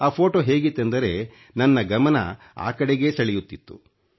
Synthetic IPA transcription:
aːpʰo̞ːʈoːɦe̞ːɡit̪ːend̪ɐɾe̞ | nɐnːɐɡɐmɐnɐ̰ | a̰ːkɐɽeɡe̞ːsɐɭɛjut̪ːit̪ːṵ

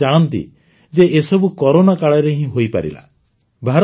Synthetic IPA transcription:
aɽ̃ɔnt̪ḭ | d͡ʒeesɔbukɔɾonakaɭɔɾeɦĩɦojpa̰ɾḭla̰ | bʱaɾ

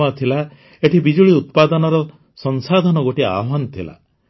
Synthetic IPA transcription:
at̪ʰila | eʈʰibid͡ʒuɭiut̪̚pad̪ɔnɔɾɔ | sɔnsad̪ʱanɔɡoʈia̰ɦanɔt̪ʰila̰

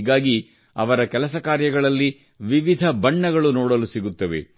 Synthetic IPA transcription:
ɡaːɡi | ɐ̰ʋɐɾɐkɛlɐsɐkaːɾjɐɡɐɭɐlːi | ʋiʋid̪ʱɐbɐɳːɐɡɐɭunoːɽɐlusiɡut̪ːɐʋe̞̰

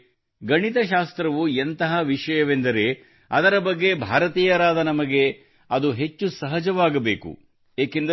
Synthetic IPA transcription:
ɡɐɳit̪ɐʃaːst̪ɾɐʋuent̪ɐɦɐʋiʂɐjɐʋe̞nd̪ɐɾe̞ | ɐd̪ɐɾɐbɐɡːe̞bʱaːɾɐt̪iːjɐɾaːd̪ɐnɐmɐɡe̞ | ɐd̪uɦe̞t͡ʃːusɐɦɐd͡ʒɐʋaːɡɐbeːkṵ | jaːkend̪ɐ

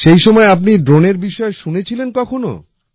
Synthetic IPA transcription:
ʃejʃɔmɔeap̬̚niɖɾoneɾbiʃɔeʃunet͡ɕʰilenkɔkʰono̰

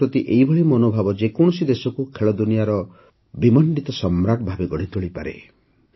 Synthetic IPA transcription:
pɾɔt̪iʔejbʱɔɭimɔnobʱabɔd͡ʒekɔɳ̃ɔsid̪esɔkukʰeɭɔd̪unijaɾɔ | bimɔɳɖit̪ɔsɔmɾaʈbʱabeɡɔɽ̤it̪oɭipaɾḛ

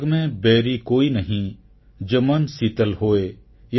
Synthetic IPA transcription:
ɡmẽbɛːɾikoːinɐɦĩ | d͡ʒoːmɐnsiːt̪əlɦoːe | j

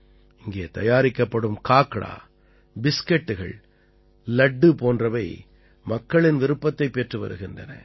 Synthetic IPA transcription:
ɪŋɡeːt̪ɐjaːɾɪkːɐpːɐɽɯmkaːkːɐɭa̰ː | bɪskɛʈːɯɣɐ̰ɭ | lɐɖːɯpoːndrɐʋɐɪ | mɐkːɐɭɪnʋɪɾɯpːɐt̪ːɐɪpːeʈrɯʋɐ̰ɾɯ̰ɣɪndrɐ̰nɐ̰

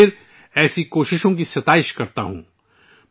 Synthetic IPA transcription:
ɪɾ | ɛːsikoːʃɪʃõk̬isɐt̪aːɪʃkɐɾt̪a̰ɦṵ̃ː

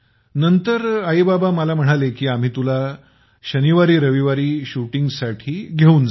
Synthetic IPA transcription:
nənt̪əɾaibabaməlam̤əɽ̃alekiːam̤iːt̪ula | ɕəniʋaɾiːɾəʋiʋaɾiːɕuʈiŋɡsaʈʰiːɡʱeuːnd͡z

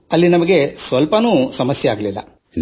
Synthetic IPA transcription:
ɐlːinɐmɐɡe̞sʋɐlpɐnuːsɐmɐsjeaːɡɐlilːɐ̰

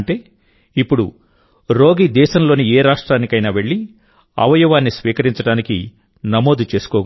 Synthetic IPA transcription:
ɳʈe̞ː | ipːuɽu | ɾo̞ːɡiːd̪ɛːʃɐmlo̞ːnieːɾaːʂʈɾaːnikɐjnaːʋe̞ɭːi | ɐ̰ʋɐjɐʋaːnːisʋiːkɐɾiɲt͡ʃɐɽaːniki | nɐmo̞ːd̪ut͡ʃe̞ːsu̥kɔːɡ

